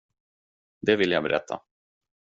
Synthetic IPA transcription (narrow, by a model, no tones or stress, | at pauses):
d̪ɛvɪlːjaːbɛɾʔɛ̰t̪ʰːa̰